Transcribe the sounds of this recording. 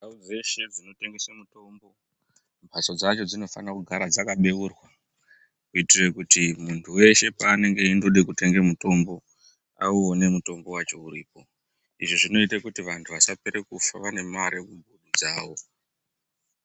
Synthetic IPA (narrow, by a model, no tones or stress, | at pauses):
daud͡ze̞ʃe̞d͡zino̞te̞ŋɡesamuto̞mbo̞ | mbʱaso̞d͡zat͡ʃo̞d͡zino̞fanakuɡʱaɾad͡zakaɓe̞urwa | kuitirekutimuntʰuwe̞ʃe̞paːne̞ŋɡe̞indoɗekute̞ŋɡemuto̞mbo̞ | a̰uone̞muto̞mbo̞wat͡ʃo̞urḭːpo̞ | iʐiʐino̞itakutiʋantʰuʋasapeɾekufaʋane̞maɾiekumbuɗud͡zaːʋo̞